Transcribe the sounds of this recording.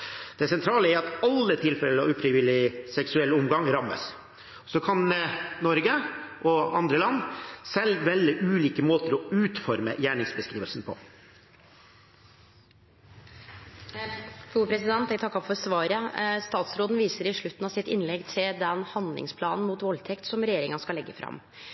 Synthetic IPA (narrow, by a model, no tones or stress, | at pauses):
d̪̥ɛsɛnt̪ʰɾɑːləɛɾɑt̪ɑlːət̪ʰɪlfɛləɑ̰ʉːfɾɪʋɪlɪsɛksʉɛlːʊmɡɑŋɾɑmə̰s | sɔkʰɑnnɔɾɡəʔɔɑnd̪ɾəlɑnːsɛlːʋɛlːəʔʉːliːkəmoːt̪əɾɔʉːt̪fɔɾmə̰jæːɳɪŋsbəskɾiːʋəlsn̩pʰɔ̰ | fɾuːpʰɾɛsɪd̪ɛnt̪ɛɪt̪ʰɑkːɑfɔɾsʋɑːɾəst̪ɑːt̪sɾoːd̪n̩ʋiːsəɾɪʂɭʉt̪ːn̩ɑsɪt̪ɪnlɛɡt̪ʰɪld̪ɛnhɑnd̪lɪ̰ŋspʰlɑːnn̩muːt̪ʋɔlt̪ʰɛkt̪sɔmɾɛjeːɾɪŋɑnskɑlɛɡːəfɾɑ̰m